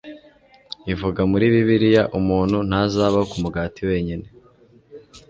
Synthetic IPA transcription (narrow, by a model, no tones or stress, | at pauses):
ivuɡamuɾiːβiβiɾijaʔumuːn̥hun̥hazaːβakumuɡaːtiwe̞ːɲine̞